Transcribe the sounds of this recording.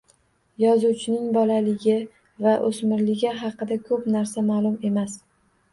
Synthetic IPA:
jɒzuwt͡ʃʰɪnɪŋbɒlalɪɡʲɪ | vaʔosmɪɾlɪɡʲɪɦɑqɨd̪akʰɵpnaɾsamaːlˠʊme̞mas

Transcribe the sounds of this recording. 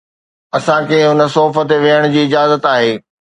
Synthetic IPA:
ɐsãkĩɦʊnə̆soːfət̪eʋiəɽ̃ʊd͡ʑiːɪd͡ʑaːzət̪aːɦeː

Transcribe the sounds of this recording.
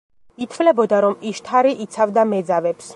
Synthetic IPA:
it̪ʰvlɛbɔd̪aɾɔmiʃt̪ʰaɾiʔit̪sʰavd̪amɛd̪zavɛps

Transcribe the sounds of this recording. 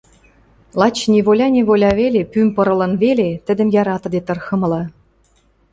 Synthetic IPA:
lˠɑt͡ɕnʲeβolʲɑnʲeβolʲɑβelʲepymʲpɤ̆ɾɤ̆lɤ̆nvelet̪ɘ̆d̪ɘ̆mjɑɾɑt̪ɤ̆d̪et̪ɤ̆rxɤ̆mɤ̆lɤ̆

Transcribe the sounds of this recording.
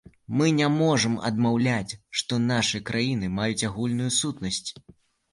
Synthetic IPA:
mɨnʲɛmɔʐɐmɐ̰d̪mawlʲat͡sʲʂt̪ɔnaʂɨkɾʔajinɨmajut͡sʲaɣulʲnujusut̪nɐsʲt͡sʲ

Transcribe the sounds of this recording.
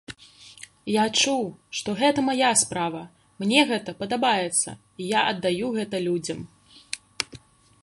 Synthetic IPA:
jat͡ʂuwʂt̪ɔɣɛt̪ɐmajaspɾavɐ | mnʲɛɣɛt̪ɐpɐd̪abajɛt̪sːɐ̰ | ijaʔɐd̪ːajuɣɛt̪ɐlʲud͡zʲɐm

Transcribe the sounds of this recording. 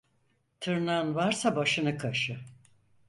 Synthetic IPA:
t̪ʰɯɾnaɯnvaɾsabaʃɯnɯkʰaʃɯ

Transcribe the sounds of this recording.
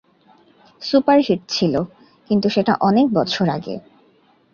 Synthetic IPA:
supaɾɦiʈ̚t͡ɕʰilo | kint̪uʃeʈa̰ʔɔnek̚bɔt͡ɕʰoɾa̰ɡḛ

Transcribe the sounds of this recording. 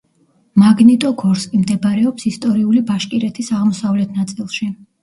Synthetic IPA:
maɡnit̪ʼɔɡɔɾskʼimd̪ɛbɾɛɔpsist̪ʼɔɾiulibaʃkʼiɾɛt̪ʰisaʁmɔsavlɛt̪ʰnat̪sʼilˠʃi

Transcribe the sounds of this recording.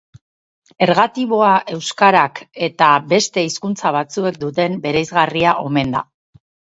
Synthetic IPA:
e̞ɾɣat̪iβ̞o̞aʔe̞wskaɾake̞t̪abe̞st̪e̞iskunt͡saβ̞at͡sue̞k̚d̪ut̪e̞mbe̞ɾejzɣariaʔo̞me̞nd̪a̰

